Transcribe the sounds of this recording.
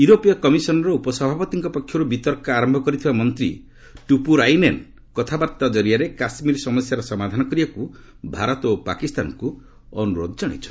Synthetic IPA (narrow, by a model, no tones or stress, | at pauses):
juɾopijɔkɔmisɔnɔɾɔupɔsɔbʱapɔt̪iŋkɔpɔkʰːjɔɾubit̪ɔɾkaaɾɔmbʱɔkɔɾit̪ʰibamɔnt̪ɾi | ʈupuɾajnen | kɔt̪ʰabaɾt̪ad͡ʒɔɾijaɾekasmiɾɔsɔmɔsjaɾɔsɔmad̪ʱanɔkɔɾibaku | bʱaɾɔt̪opa̰kist̪anku | ɔnuɾo̰d̪ʱɔd͡ʒɔɽ̃it͡ʃʰɔ̥